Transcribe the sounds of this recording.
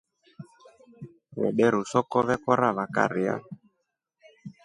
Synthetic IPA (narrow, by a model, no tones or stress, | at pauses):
βɛ̰ɗɛɾusɔkɔβɛkɔɾaβaka̰ɾia̰